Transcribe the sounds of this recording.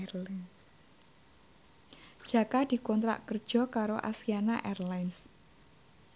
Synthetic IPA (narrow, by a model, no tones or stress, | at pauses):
rlans | d̥ʒ̥ä̤kad̪̥i̤kɔnt̪ɾa̰ʔkərd̥ʒ̥ɔ̤kaɾoʔa̰siana̰ʔɛrlajns